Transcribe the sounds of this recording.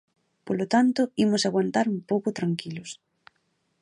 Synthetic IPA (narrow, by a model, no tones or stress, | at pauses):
polot̪ant̪ʊimʊsaɣwant̪aɾumpowkʊt̪ɾaŋkilʊs